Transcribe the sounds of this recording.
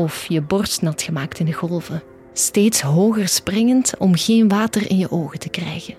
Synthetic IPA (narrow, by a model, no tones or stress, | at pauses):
ɔfjəbɔrsnɑtxəmaːktɪndəɣɔlˠvə | steːtsɦoːɣərsprɪŋəntɔmɣeːnʋaːtərʔɪ̰njəʔoːɣətəkrɛjɣən